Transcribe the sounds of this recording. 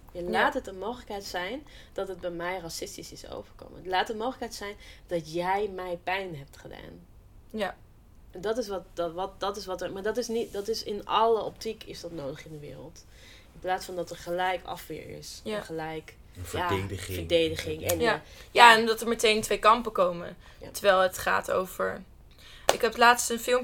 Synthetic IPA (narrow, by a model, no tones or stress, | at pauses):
jalaːtɦətənmowχələkɦɛjtsɛjnd̥ɑtɦəd̚bɛjmɛjrasɪstisɪso̰wvəɹko̰wmətlaːtəmowχələkɦɛjtsɛjnd̥ɑtjɛjmɛjpɛjnɦɛp̚tχəda̰ːn | ɛndɑtɪsʋɑtʋɑtdɑtɪsʋɑtəɹmaːɹdɑtɪsnitdɑtɪsɪnɑləɔptikɪsdɑtnowdəχɪndəʋɪ̰ːɾə̰lˠt | ɪnplaːtsfɑndɑtəɹχəlɛjkɑ̰fʋɪ̰ːɹɪ̰sɛχəlɛjk | jaːfəɹdejdəχɪŋɛnjaːɛndɑtəɹmətejntʋejkɑmpəkowmə̰ | təɹʋɛlˠətχa̰ːto̰wvəɹ | ʔɪkɦɛplaːtstənfɪlˠm